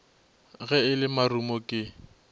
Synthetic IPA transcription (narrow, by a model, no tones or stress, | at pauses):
ɣɛɪlɪmarumɔkʼɪ